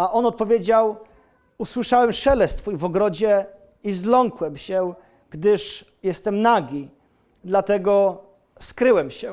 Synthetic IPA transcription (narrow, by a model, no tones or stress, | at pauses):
aʔɔnɔt̪̚pɔvʲjed͡ʑaw | uswɘʂawɛmʂɛlɛst̪fujvɔɡɾɔd͡ʑɛ | izlɔŋkwɛmɕɛ | ɡ̥d̪ɘʂ | jɛst̪ɛmnaɡʲi | d̪lat̪ɛɡɔ | skɾɘwɛmɕɛ